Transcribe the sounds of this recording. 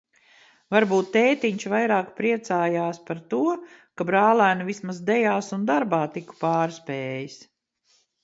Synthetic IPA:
vaɾbuːt̪ːeːt̪iɲʃvajɾaːkpɾiɛt̪saːjaːspaɾt̪uɔ | kabɾaːlˠæːnuvismazd̪ɛjaːsund̪aɾbaːt̪iku̥paːɾspɛːjis

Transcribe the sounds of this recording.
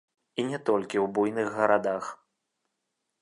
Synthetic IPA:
inʲɛt̪ɔlʲkʲiwbujnɨɣːɐɾad̪ax

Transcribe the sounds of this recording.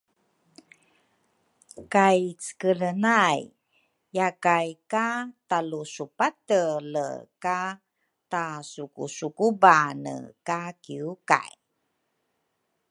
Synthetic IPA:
kajt͡sə̥kələnajː | akajkatalusupatələ̰ka | tasukusukubanə̰kakiuka̰j

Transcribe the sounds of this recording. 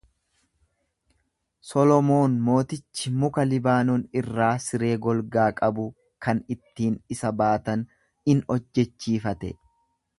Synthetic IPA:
sɔlɔmo̞ːnmo̞ːt̪ɪt͡ʃːɪmʊkɐlɪbaːnɔnɪrːaːsɪɾe̞ːɡɔlɡaːkʼɐbʊ | kɐnɪt̪ːiːnɪsɐbaːt̪ɐn | ɪnɔd͡ʒːɛt͡ʃːiːfɐt̪ɛ̰

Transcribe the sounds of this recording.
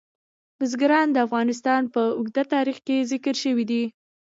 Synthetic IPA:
bʊzɡɾɑnd̪əafɣɑnɪs̬t̪ɑnpəʊɡd̪at̪ɑɾixkezɪkəɾʃəwid̪i

